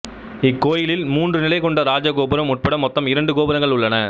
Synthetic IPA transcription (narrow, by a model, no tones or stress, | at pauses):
ɪkːoːjɪlɪlmuːndrɯnɪlɐɪkɔɳɖɐɾaːd͡ʒɐkoːbɯɾɐmʊʈ̚pɐɽɐmːɔt̪ːɐmɪɾɐɳɖɯkoːbɯɾɐŋɡɐɭʊɭːɐnɐ